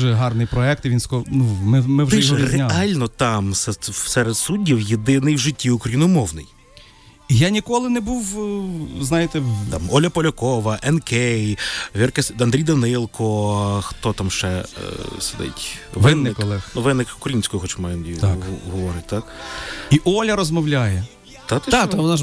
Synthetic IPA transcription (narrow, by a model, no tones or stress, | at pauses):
ʒɛɦɑrnɪjpɾɔɛk̚t̪ɪʋinskɔnumɪmɪw̪reɑlʲnɔt̪ɑmsɛsɛɾed̪sudʲːiwjed̪ɪnɪjwʒɪtʲːiʊkɾɐjinʊmɔwnɪj | ijanʲikɔlˠɪnɛbuw | znɑjɪt̪ɛt̪ɑmɔlʲɐpɔlʲɐkɔʋɐʔɛnkɛjʋʲirkesɐnd̪ɾʲijd̪ɐnɪlˠkʰɔxt̪ɔt̪ɑmʃt͡ʃɛsed̪ɪ̰tʲʋɪnːɪkɔlˠɛnuʋɪnːɪkʊkɾʲɐinʲsʲkʊjʊxɔt͡ʃmajɐnd̪ʲijɦɔʋɔɾɪt̚ʲt̪ɑkiʔɔlʲɐɾɔzmɔwlʲajɛ | t̪ɑt̪aɔnɑ